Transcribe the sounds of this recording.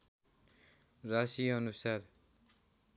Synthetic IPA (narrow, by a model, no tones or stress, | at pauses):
rasiʌnusar